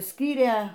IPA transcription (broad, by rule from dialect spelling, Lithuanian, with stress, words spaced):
ˈsʲkʲiːrʲeː